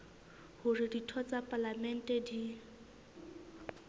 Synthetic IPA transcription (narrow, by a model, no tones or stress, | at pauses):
hʊrɪditʰɔt͡sapʼalamɛn̩tʼɛdi